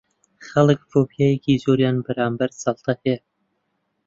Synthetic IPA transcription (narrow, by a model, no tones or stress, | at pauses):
χɐlˠɨkfoːbijajekʰiːzoːɾjaːnbɐɾaːmbɐɾsɑlˠt̪ʰɐhe